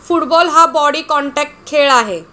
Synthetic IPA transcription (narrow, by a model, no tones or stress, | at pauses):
fuʈbɔlɦabɔɽikɔɳʈɛk̚ʈkʰeɭaɦe